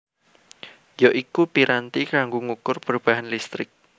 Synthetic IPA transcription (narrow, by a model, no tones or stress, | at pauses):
jɔʔikupiɾant̪ikaŋɡuŋukʊrpərub̥aɦanlist̪ɾɪk̚